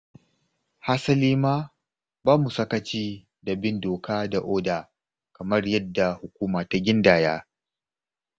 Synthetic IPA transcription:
ha˦sɐ˦liː˦maː˦ | baː˦mu˨sɐ˦kɐ˨t͡ʃiː˦ | da˨bɪ˦ndoː˨kaː˦da˨ʔoː˦daː˨ | kɐ˨mɐ˦rjɐ˦dːa˨hʊ˨kʷuː˦maː˨ta˦ɡʲɪ˦ndaː˨jaː˦

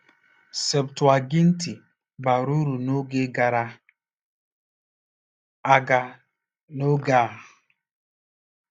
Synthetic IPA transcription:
se˨btwa˨ɡɪ˦n̩˦ti˨ | ba˨ɾu˦ɾu˨no˦ɡe˦ɡa˨ɾa˦ | a˨ɡa˨ | no˦ɡa˨

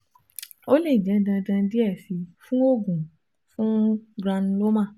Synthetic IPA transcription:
o˦le˦˨d͡ʒɛ̃˨˦dã˧dã˧di˦ɛ˦˨fi˨˧fũ˦o˦˨ɡũ˨ | fũ˦ɡɾã˧ñ̩˧˦lo˦mã˦˨

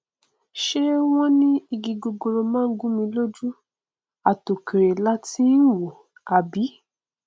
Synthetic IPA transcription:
ʃe˦w̃ɔ̃˦nĩ˦i˧ɡi˧ɡo˧ɡo˧ɾo˧mãː˦˨˦ɡũ˦mĩ˧lo˦d͡ʒu˦ | a˨to˨ke˨ɾe˨la˦ti˦n̩˦wo˨ | a˨bi˨˦

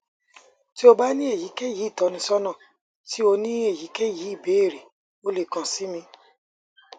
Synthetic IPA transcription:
ti˦o˧ba˦nĩ˦e˦˨ji˨˦ke˦˨ji˨˦i˦˨tɔ˨˧˦nĩ˧sɔ˦nã˦˨ | ti˨˦o˧nĩ˦e˦˨ji˨˦ke˦˨ji˨˦i˦˨be˨˦e˦˨ɾe˨ | o˨˧le˨kã˨si˨˦mĩ˧

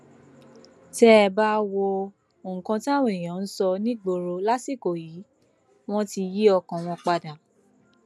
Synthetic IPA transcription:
tɛ˦˧ba˦wo˧ | o˨ŋ̩̃˨kã˧tã˦˨wẽ˨j̃ã˨˦n̩˦sɔ˧nĩ˦ɡ͡bo˧ɾo˧la˦si˦˨ko˨ji˨˦ | w̃ɔ̃˦ti˧ji˦ɔ˧kã˨w̃ɔ̃˧k͡pa˧da˨

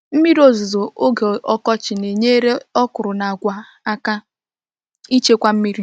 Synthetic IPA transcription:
m̩˦mi˦ɾi˦o˦zo˨zo˨o˦ɡe˨ɔ˦kɔ˦t͡ʃɪ˨ne˨ɲe˦ɾe˦ɔ˦kʊ˨ɾʊ˨na˨a˨ɡʷa˨ | a˦ka˦ | i˦t͡ʃe˦kʷa˦m̩˦mi˦ɾi˦

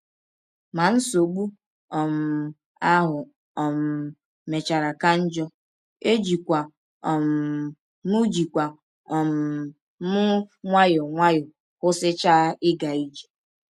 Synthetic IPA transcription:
ma˨n̩˦so˨ɡ͡bu˦ | ɔ˨m̩˨ | a˦ɦʊ˨ | ɔ˨m̩˨ | me˨t͡ʃa˨ɾa˨ka˦n̩˦d͡ʒɔ˦ | e˦d͡ʒi˨kʷa˨ | ɔ˨m̩˨ | nu˦d͡ʒi˨kʷa˨ | ɔ˨m̩˨ | mʊ˦ŋʷa˦jʊ˨ŋʷa˦jʊ˨ | kʊ˦sɪ˦t͡ʃa˦ʔɪ˦ɡa˨i˦d͡ʒe̥˨

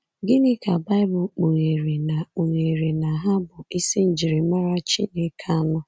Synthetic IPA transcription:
ɡɪ˦nɪ˦ka˨ba˦ɪ˦bʊ˨k͡po˨ŋe˨ɾe˨na˨k͡po˨ŋe˨ɾe˨na˨ɦa˦bʊ˨i˦si˦n̩˨d͡ʒi˨ɾe˨ma˦ɾa˦t͡ʃḭ˦ne˨kʰa˦a˦nʊ˦

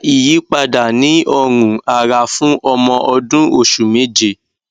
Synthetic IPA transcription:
i˨ji˨˦k͡pa˧da˨nĩ˨˦ɔ˧ɾũ˨a˨ɾa˨fũ˦ʔɔ˧mɔ̃˧ʔɔ˧dũ˦o˦˨ʃu˨mẽ˨˦d͡ʒe˧˨

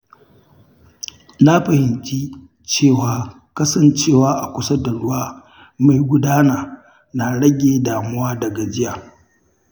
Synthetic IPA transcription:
na˦ɸɐ˨hɪ˨nt͡ʃʼi˦ | t͡ʃeː˦˨waː˨˦ | kɐ˦sɐ˦nt͡ʃeː˦˨waː˦ʔa˨kʷʊ˦sɐ˦da˨ɽʊ˦waː˦ | ma˨jɡʷʊ˦daː˦naː˨ | na˨ɽɐ˦ɡʲeː˨daː˨mʊ˦waː˦dɐ˨ɡa˨d͡ʒɪ˦jaː˨

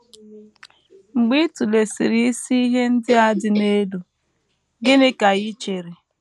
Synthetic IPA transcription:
ŋ͡m̩˨ɡ͡bi˦tu˨le˨si˨ɾi˦i˦si˦i˦ɦe˦n̩˦dɪ˦a˦dɪ˨ne˦du˨ | ɡɪ˦nɪ˦ka˨ɣi˦t͡ʃe˨ɾi˨

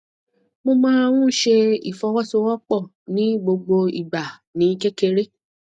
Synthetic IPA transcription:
mo˧mãː˦w̃ũ˦ʃe˧ḭ˨fɔ˧˦wɔ˦so˧wɔ˦k͡pɔ˦˨ | nĩ˦ɡ͡bo˧ɡ͡bo˧ḭ˦˨ba˨nĩ˨˦kɛ˦ke˧ɾe˦

